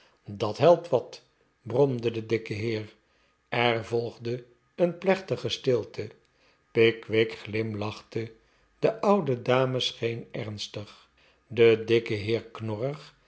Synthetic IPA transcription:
dɑtɦɛlˠp̚tʋɑt | brɔmdədədɪkəɦɪːɹ | ɛɹvɔlˠχdə | ənplɛχtəχəstɪlˠtʰə | pɪkʋɪkχlɪmlɑχtə | dəʔʌwdədaːməsχejnɛɹnstəχ | dədɪkəɦɪːɹknɔrəχ

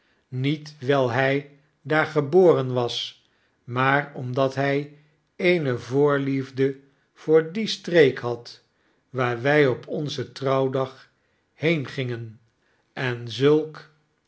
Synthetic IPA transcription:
nitʋɛlˠɦɛj | daːɹχəboːrənʋɑs | maːrɔmdɑtɦɛj | ejnəvʊːɹlivdə | v̥ʊːɹdistrekɦɑt | ʋaːɹʋɛjɔpʰɔnzətrɑwdɑχ | hejnχɪŋən | ʔɛnzɵlˠk

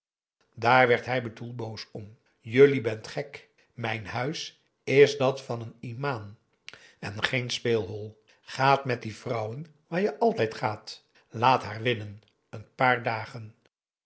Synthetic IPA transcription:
daːɹʋɛɹtɦɛjbədulˠbowsɔm | jɵlibɛntχɛk | mɛjnhœɥs | ɪzdɑtfɑnənimaːn | ɛnχejnspeːlˠɦɔlˠ | χaːtmɛt̚divrʌwən | ʋaːɹjəʔɑlˠtɛjtχaːt | laːtɦaːɹʋɪnən | ənpaːɹdaːχən

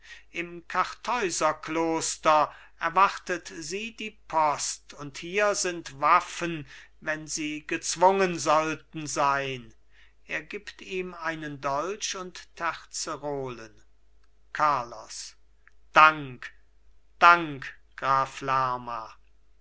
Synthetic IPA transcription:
ʔɪmkʰaʁtʰɔʏzɐkloːstɐ | ʔɛɐvaʁtətziːdiːpʰɔstʊnthiːɐzɪntvafən | vɛnziːɡət͡sv̥ʊŋənzɔltn̩zaɪn | ʔeːɐɡiːptiːmaɪnəndɔlt͡ʃʊntʰːɛʁt͡səʁoːlən | kʰaɐlɔ̰s | d̥aŋk | d̥aŋkɡ̥ʁaːflaːma

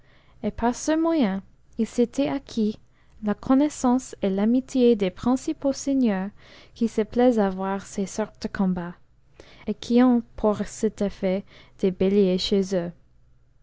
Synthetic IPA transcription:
epaʁsəmwajɛ̃ | ilset̪ʰɛakʰi | lakʰɔnesɑ̃selamit̪ʰjed̪epχɛ̃siposenjœʁkisəplɛzavwaʁsesɔʁt̪̚d̪əkʰɔ̃ba | ekʰiɔ̃pʰuʁsɛt̪efɛd̪̥ebeljeʃezø

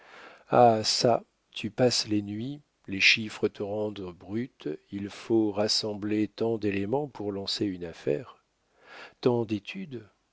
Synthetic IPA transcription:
asa | t̪ʰypaslenɥi | leʃifχət̪ʰəʁɑ̃d̪bʁyt̪ilfoʁasɑ̃blet̪ɑ̃d̪elemɑ̃puʁlɑ̃seynafɛ̰ʁ | t̪ɑ̃d̪et̪ʰyd̪

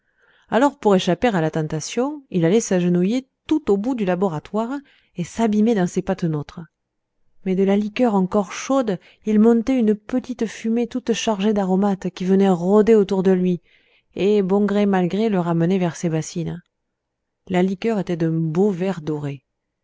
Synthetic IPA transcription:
alɔʁpuʁeʃapeʁalat̪ɑ̃t̪asjɔ̃ilalɛsaʒənujet̪ut̪obud̪ylabɔʁat̪waʁ | esabimed̪ɑ̃sepat̪not̪χə | mɛd̪əlalikœʁɑ̃kɔʁʃɔd̪ | ilmɔ̃t̪ɛynəpət̪it̪əfymet̪ut̪ʃaʁʒed̪aʁɔmat̪kʲivənɛʁɔd̪eot̪uʁd̪əlɥi | ebɔ̃ɡʁemalɡʁeləʁamənɛvɛʁsebasin | lalikœʁet̪ɛd̪ɛ̃bovɛʁd̪ɔʁe

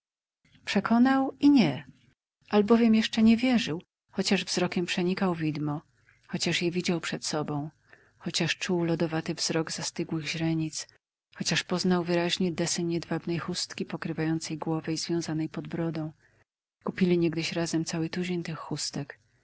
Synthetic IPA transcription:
pʂɛkʰɔnawiɲɛ | ʔalbɔvʲjɛmjɛʂt͡ʂɛɲɛvʲjɛʐɘw | xɔt͡ɕaʐvzɾɔkʲɛmpʂɛɲikawvʲid̪mɔ | xɔt͡ɕaʂjɛvʲid͡ʑawpʂɛt̪sɔbɔ̃w̃ | xɔt͡ɕaʂt͡ʂuwlɔd̪ɔvat̪ɘvz̥ɾɔɡzast̪ɘɡwɘɣʑɾɛɲit̪s | xɔt͡ɕaʂpɔznawvɘɾaʑɲɛd̪ɛsɛɲɛd̪vabnɛjxust̪kʲipɔkɾɘvajɔnt̪sɛjɡwɔvɛizvʲjɔ̃w̃zanɛjpɔd̪bɾɔd̪ɔ̃w̃ | kupʲilʲiɲɛɡd̪ɘɕɾazɛmt̪sawɘt̪ud͡ʑeɲt̪ɘxːust̪ɛk

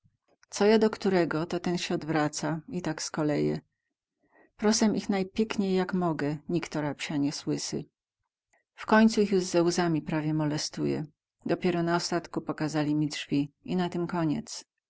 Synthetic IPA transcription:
t̪sɔjad̪ɔkt̪uɾɛɡɔt̪ɔt̪ɛnɕɛɔd̪vɾat̪sait̪akskɔlɛjɛ̰ | pɾɔsɛmʔixnajpʲjɛkɲejːakmɔɡɛɲikt̪ɔɾapɕaɲɛswɘsɘ̰ | fkɔɲt̪suixjuʐzɛwzamʲipɾavʲjɛmɔlɛst̪ujɛ̰ | d̪ɔpʲɛɾɔnaɔst̪at̪kupɔkazalʲimʲidʐvʲiinat̪ɘmkɔɲɛ̰t̪s

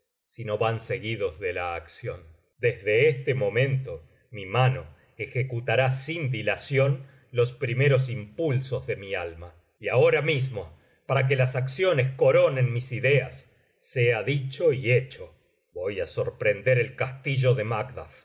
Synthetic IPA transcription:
sino̞βanse̞ɣiðozðelaːksjo̞n | d̪ezðe̞est̪emo̞mẽ̞nt̪o̞ | mimano̞ | exekut̪aɾasind̪ilasjo̞n | lo̞spɾime̞ɾo̞s̬impulso̞zðe̞mialma | iaoɾamismo̞ | paɾak̬elasaksjonesko̞ɾo̞ne̞nmisiðeasː | eaðit͡ʃoiet͡ʃo | bojaso̞ɾpɾend̪eɾelkast̪iʒo̞ðemakd̪af

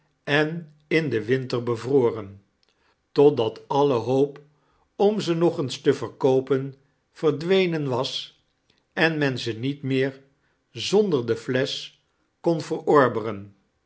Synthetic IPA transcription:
ɛn | ɪndəʋɪntəɹbəvroːrən | tɔt̚dɑtɑləɦowp | ɔmzənɔχənstəvəɹkowpən | v̥əɹdʋejnənʋɑs | ɛnmɛnzənitmɪːɹ | zɔndəɹdəflɛs | konvərɔɹbərən

